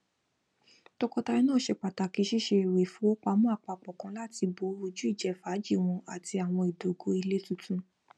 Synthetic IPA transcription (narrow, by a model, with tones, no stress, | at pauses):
tɔ˧kɔ˧ta˧i˧˦nãː˦˨ʃe˧k͡pa˨ta˨ki˨˦ʃi˦ʃe˧˨ɾe˨fũ˨˦o˦k͡pa˧mũ˦a˦˨k͡pa˧˨k͡pɔ˨kã˧˦la˦ti˧bo˨˦ɾo˧d͡ʒu˦i˦˨d͡ʒɛ˨fa˨˦d͡ʒi˦˨w̃ɔ̃˧a˨ti˧a˨w̃ɔ̃˧i˨do˨ɡo˧˦i˧le˦tũ˦tũ˧